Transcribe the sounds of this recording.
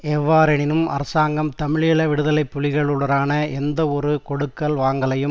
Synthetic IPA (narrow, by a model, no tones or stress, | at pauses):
ɛʋːaːɾɐnɪnɯmɐ̰ɾɐsaːŋɡɐmt̪ɐmɪɻɪjɭɐʋɪɽɯðɐlɐɪpːʊlɪɣɐɭɯɭɐɾaːnɐɛnd̪ɐɔɾɯkɔɽɯkːɐlʋaːŋɡɐlɐjɯm